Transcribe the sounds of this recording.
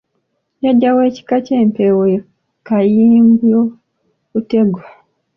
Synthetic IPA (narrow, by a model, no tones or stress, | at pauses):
jaɟːawe̞ːci̥kace̞ːmpewe | kajiːmbjo | kute̞ɡwa